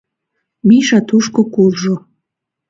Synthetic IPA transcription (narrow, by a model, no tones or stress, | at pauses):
miʃɑt̪uʃkokulʒo